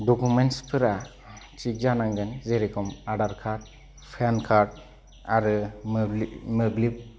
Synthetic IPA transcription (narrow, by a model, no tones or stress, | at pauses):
dɔkʰumenspʰɯɾa | t͡ʃik̚d͡ʒanaŋɡenzeɾikʰɔmaɖaɾkʰaɾd̚ | pʰankʰaɾd̚ | aɾɯ | mɯblip̚